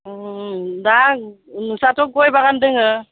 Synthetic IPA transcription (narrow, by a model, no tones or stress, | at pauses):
da | nɯsatɔɡɔjbaɡandɯŋɯ